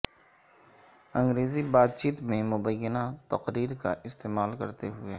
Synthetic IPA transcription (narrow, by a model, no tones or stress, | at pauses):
ɐ̃ŋɡɾeːzibaːd̪̚t͡ʃiːt̪mẽmʊbəjːənat̪ɐqɾiːɾka̰ʔɪst̪eːmaːlkɐ̰ɾt̪eɦʊe